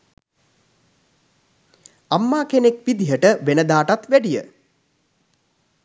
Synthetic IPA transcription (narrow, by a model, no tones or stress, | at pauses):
amːaːkenekʋid̪iɦəʈəʋenəd̪aːʈat̪ʋæɖijə